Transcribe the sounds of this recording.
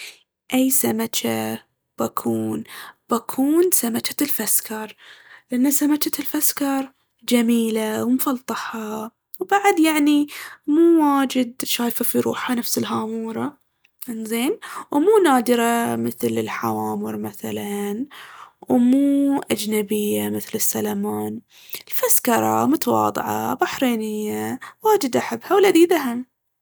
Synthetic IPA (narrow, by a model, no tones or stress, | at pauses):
ʔajsamat͡ʃa | b̥akʰuːnb̥akʰuːnsamat͡ʃḁlfaskʰɑɾˤlʔanːasamat͡ʃalfaskɑɾˤ | d͡ʒamiːlawmfɑlt̪ˤɑħɑ | wbaʕad̪jaʕnimuːwaːd͡ʒɪd̪ʃaːjfafiɾṵːħanafsɪlɦaːmuːɾˤɑ | nzeːnwmuːnaːd̪ɪɾamɪθlɪ̰lħawaːmɪɾmaθa̰lanwmuːʔad͡ʒnabɪjːamɪθlɪsːalamaːn | ɪlfaskɑɾˤɑ̰mʊt̪ɑwɑ̰ːd̪ˤɨ̰ʕɑ̰baħɾeːnɪjːawaːd͡ʒɪd̪ʔaħabːhawɪlːad̪iːðaɦam